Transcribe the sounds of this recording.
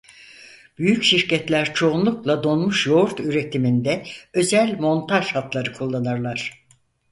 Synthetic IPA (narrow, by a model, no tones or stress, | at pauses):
b̥yjycʃiɾcɛt̪lʲæɾt͡ʃʰo̞unlˠuklˠad̪o̞nmuʃjo̞ɾt̪yɾe̞t̪ʰimind̪ɛø̞zælʲmo̞nt̪ʰaʒhat̪lˠaɾɯkʰulˠːanaɾlˠaɾ̥